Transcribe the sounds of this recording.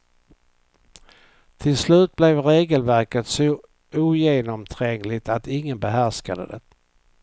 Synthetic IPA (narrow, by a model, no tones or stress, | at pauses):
t̪ʰɪlslʉ̟ːt̪̚blɛvɾeːɡəlvæɾkət̪sɔ | uːjeːnɔmt̪ʰɾɛŋlɪt̪at̪ɪŋːənbɛɦæɾʂkad̪ə̰d̪ɛ̰